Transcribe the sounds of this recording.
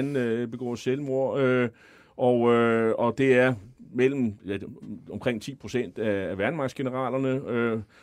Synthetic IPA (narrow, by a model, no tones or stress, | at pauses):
nb̥e̝ɡ̥ɔ̰ːselmo̝ɐ̰ø | ʔɒʊøɒ̽d̥e̝æɐmel̰m̩jæɒ̽mkʰʁeŋ̰t͡sʰḭːpʰʁo̝sen̰d̥æːʋæɐnmɑ̈ɡsɡ̥e̝nəʁɑ̰̈ːlɐnəø